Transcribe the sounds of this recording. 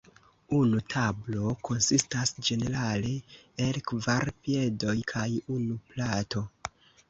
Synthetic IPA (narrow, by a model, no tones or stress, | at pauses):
unutʰablo̞ko̞nsistasd͡ʒe̞ne̞ɾale̞elkvaɾpije̞do̞jkʰajunuplato̞